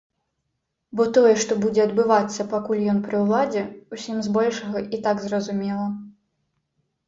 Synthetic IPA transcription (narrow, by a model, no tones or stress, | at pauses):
bɔt̪ɔjɛʂt̪ɔbud͡zʲɛɐd̪bɨvat̪sːɐpakulʲjɔnpɾɨwlˠad͡zʲɛusʲimzbɔlʲʂɐɣɐʔit̪aɡzrɐzumʲɛlˠɐ